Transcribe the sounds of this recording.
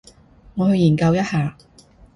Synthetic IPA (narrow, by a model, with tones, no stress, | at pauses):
ŋɔː˨˧hɵ˧jiː˨˩nkɐ˧wjɐ˥t̚haː˨˧